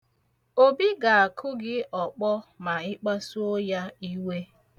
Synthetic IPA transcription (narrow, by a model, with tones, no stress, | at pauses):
o˦bi˦ɡa˨a˨kʰʊ˦ɡɪ˦ʔɔ˨k͡pɔ˦ma˨ɪ˦k͡pa˦su˦o˦ja˦i˦we˦